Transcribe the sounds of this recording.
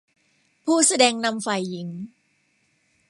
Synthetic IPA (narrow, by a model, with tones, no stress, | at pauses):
pʰuː˥˩sa˧dɛː˧ŋna˧mfa˨˩jːi˩˦ŋ